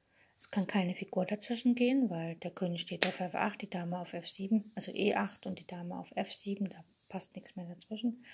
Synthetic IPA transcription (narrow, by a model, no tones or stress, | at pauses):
ʔɛskʰankʰaɪnəfiɡuːɐdat͡sv̥ɪʃn̩ɡeːənvaɪld̥eːɐkʰøːnɪçʃteːtaʊfʔɛʊfʔa̰χt̚d̥iːd̥aːməaʊfɛfz̥iːbm̩ʔʔalz̥oʔeːʔaχtʊnt̚d̥iːd̥aːməa̰ʊfʔɛfz̥iːbm̩d̥aː | pʰastnɪksmeːɐdat͡sv̥ɪʃn̩